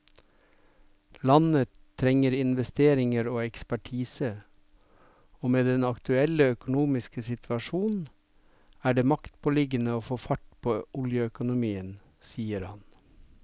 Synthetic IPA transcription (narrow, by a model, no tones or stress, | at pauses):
lɑnət̪ʰːɾɛŋəɾɪnʋɛst̪eːɾɪŋəɾoːɛkspæʈʰiːsə | oːmeːd̪ɛnɑkt̪ʉɛləœkʊnuːmɪskəsɪt̪ʰʋɑʃuːnn̩ | æːɖeːmɑkt̪pʰolɪɡənəoːfoːfɑʈpʰoːʔʊljəœkʊnʊmiːən | siːəɾhɑ̰n